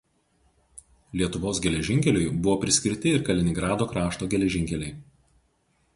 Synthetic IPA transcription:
lʲiɛt̪ʊʋoːsɡʲɛlʲɛʒʲɪŋʲkʲɛlʲʊɪbʊʋoːpʲɾʲɪsʲkʲɪɾʲt̪ʲɪɪɾkɐlʲɪnʲɪɡɾɑːd̪oːkɾɑːʃt̪oːɡʲɛlʲɛʒʲɪŋʲkʲɛlʲɛɪ

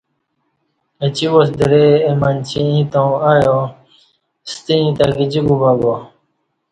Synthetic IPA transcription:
ət͡ɕiwosd̪iɾeemant͡ɕʰiĩt̪õaːjo | st̪iĩt̪akid͡ʑiɡubaɡo

